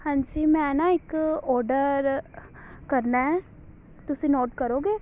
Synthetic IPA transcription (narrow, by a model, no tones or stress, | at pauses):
hãːɲd͡ʒiːmɛ̃ːnãːɪkɔːɾɖəɾ | kəɾnaɦɛ | t̪ʊsĩːnɔːʈkəɾoːɡeː